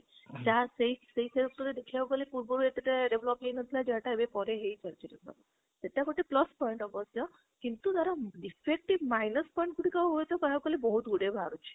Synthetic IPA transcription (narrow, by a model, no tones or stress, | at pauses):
taseɦiseɦiseɾɔk̚t̪ɔɾed̪ekʰiawkɔlepuɾbɔɾuet̪iʈeɖeʋlɔpɦejnət̪ʰilad͡ʒeaʈaebepɔɾeɦeit͡ʃəɾt͡ʃʰit̪et̪ɔ̰ | t̪eʈakoʈeplɔspɔiɳʈɔbɔsjɔ | kint̪ut̪aɾaɖipʰek̚ʈibmajnəspɔjĩɳʈkuʈikaɦojt̪ʰɔkɔɦakəlebɔɦut̪uɽebʱaɾut͡ʃʰi̥